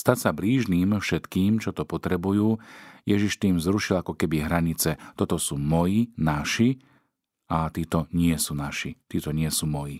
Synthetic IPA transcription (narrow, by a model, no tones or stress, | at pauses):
st̪acsabliːʒniːmfʃɛt̪kiːmt͡ʃɔt̪ɔpɔt̪ɾɛbujuːjɛʒiʃt̪iːmzɾuʃilakɔkɛbiɦɾaɲit͡sɛt̪ɔt̪ɔsuːmɔjinaʃi | at̪iːt̪ɔɲɪɛsuːnaʃit̪iːt̪ɔɲɪɛsuːmɔji